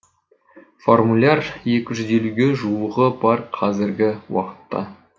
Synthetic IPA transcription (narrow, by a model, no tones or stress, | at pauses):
fo̞rmulʲarje̞kʲɪʒʏze̞luɡʲe̞ʒuəʁəbɑɾqʰɑzɪɾɡʲɪwɑ̰qə̥t̪ːɑ̰